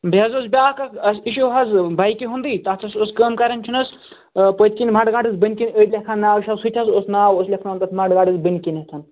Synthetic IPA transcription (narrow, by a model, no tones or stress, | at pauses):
bɐzosbʲaːkɐkɐsiʃowɦɐzbajkʲiɦund̪iːt̪ɐt̪ʰɐsoskəːmkɐɾɐnʲt͡ʃʰunɐs | pət̪ʰʲkinʲmaɖɡaːɖɨzbənʲkinʲəːt̪ʲlʲekʰanːaːwʃɐzsutʲʰɐsosnaːwoslʲekʰnant̪ɐt̪ʰmaɖɡaːɖɐzbənʲkinʲet̪ʰɐn